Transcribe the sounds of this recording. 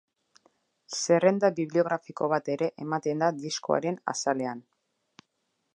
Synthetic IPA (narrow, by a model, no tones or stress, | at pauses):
se̞re̞nd̪aβiβlio̞ɣ̞ɾafiko̞β̞at̪e̞ɾe̞ʔemat̪e̞nd̪ad̪isko̞a̰ɾe̞na̰sale̞an